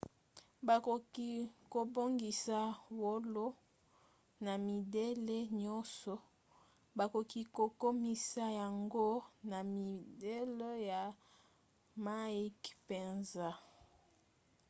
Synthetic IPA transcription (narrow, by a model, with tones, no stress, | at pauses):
ba˨ko˨ki˦ko˨bo˦ŋɡi˨sa˦wo˦lo˦ | na˨mi˨de˦le˦ɲɔ˦nsɔ˨ | ba˨ko˨ki˦ko˨ko˦mi˦sa˦ja˨ŋɡo˦na˨mi˨de˦le˦ja˨ | ma˦i˦kpe˨nza˦